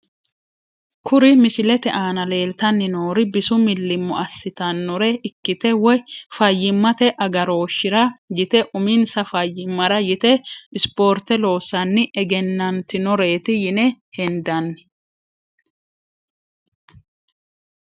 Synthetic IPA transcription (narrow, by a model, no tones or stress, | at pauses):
kʰʊɾɪmɪsɪlɛt̪ɛʔaːnɐle̞ːlt̪ɐnːɪnoːɾɪbɪsʊmɪlːɪmːʊ̰ɐsːɪt̪ɐnːɔɾɛʔɪkːɪt̪ɛwɔjfɐjːɪmːɐt̪ɛʔɐɡɐɾo̞ːʃːɪɾɐjɪt̪ɛʔʊmɪnsɐfɐjːɪmːɐɾɐjɪt̪ɛɪspo̞ːɾt̪ɛlo̞ːsɐnːɪʔɛɡɛnːɐnt̪ɪnɔɾe̞ːt̪ɪjɪnɛhɛnd̪ɐnːɪ